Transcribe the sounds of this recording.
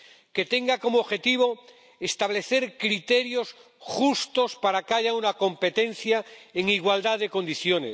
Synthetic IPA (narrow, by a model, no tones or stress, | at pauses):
ke̞t̪e̞ŋɡako̞moːxe̞t̪iβ̞o̞ | est̪aβ̞le̞θe̞ɾkɾit̪e̞ɾjo̞s | xust̪o̞spaɾakeaʝaunako̞mpe̞t̪ẽ̞n̟θjaeŋiɣwald̪aðe̞ko̞nd̪iθjo̞nḛs